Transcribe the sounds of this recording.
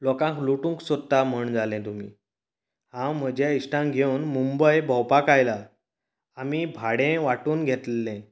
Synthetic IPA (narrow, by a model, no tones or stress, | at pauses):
lɔkãŋkluʈũːŋksəd̪d̪am̤əɳd͡zalɛ̃t̪umḭː | hãwm̤əd͡ʑjaiʂʈãŋɡʱewnmumbəjbʱəwpakajla | amibʱaɽẽʋaʈuːnɡʱet̪lːɛ̃